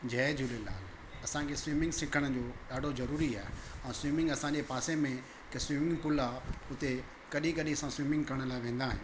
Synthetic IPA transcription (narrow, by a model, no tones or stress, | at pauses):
d͡ʑɛːd͡ʑʱʊlela̰ːl | ɐsãkʰeswiːmɪ̃ŋɡsɪ̃kʰəɽ̃ə̆d͡ʑoːɗaːɖʱozɐɾuːɾiaːɦeɛ̃ːswiːmɪ̃ŋɡɐsãːd͡ʑepaːsemẽ | kswiːmɪ̃ŋɡpʊlaʊt̪e | kɐɗĩkɐɗĩɐsãswiːmɪ̃ŋɡkɐɾəɽ̃̆laːɪʋẽːnd̪aːɦɪ̃